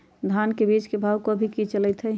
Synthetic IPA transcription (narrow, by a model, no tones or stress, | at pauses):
d̪ʱankebit͡ʃkebʱawkoəbʱikit͡ʃəlɛt̪ɦɛ